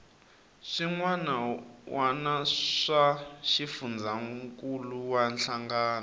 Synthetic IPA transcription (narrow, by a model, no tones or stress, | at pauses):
ʂiŋwanawanaʂaʃifund͡zaŋkuluwanɬʰaŋɡaːna